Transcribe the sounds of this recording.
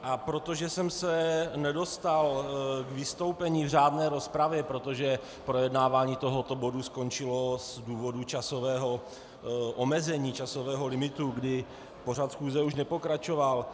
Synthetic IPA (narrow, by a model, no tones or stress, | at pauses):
ʔapɾo̞t̪o̞ʒɛsɛmsɛnɛdo̞st̪alɡvɪst̪o̞wpɛɲiːvr̝aːdnɛːɾo̞spɾavjɛpɾot̪o̞ʒɛ | pɾo̞jɛdnaːvaːɲiːt̪o̞ɦot̪o̞bo̞dusko̞nt͡ʃɪlo̞zduːvo̞dut͡ʃasovɛːɦo̞ | ʔomɛzɛɲiːt͡ʃaso̞vɛːɦo̞lɪmɪt̪uɡdɪ | po̞r̝at̪sxuːzɛuʃnɛpo̞kɾat͡ʃo̞val